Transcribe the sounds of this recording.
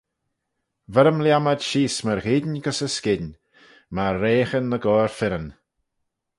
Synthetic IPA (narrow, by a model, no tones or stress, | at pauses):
vɛɾəmljaməd̪ʃiːsməɾɣidnɡəsəskɪn | maːeːxənːəɡɔːɹfɪɾən